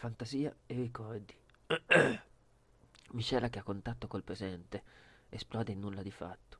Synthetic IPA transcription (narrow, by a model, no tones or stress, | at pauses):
fant̪aziːa̰erːikɔrd̪i | miʃɛːlak̟eakːont̪at̪ːokolpɾezɛnt̪eesplɔːd̪einːulːad̪ifa̰t̪ːo̥